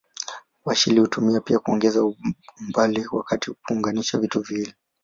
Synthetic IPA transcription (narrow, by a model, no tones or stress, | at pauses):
waʃilihutumiapiakuɔŋɡɛzaumbaliwakatiupuŋɡaniʃavituvilɛ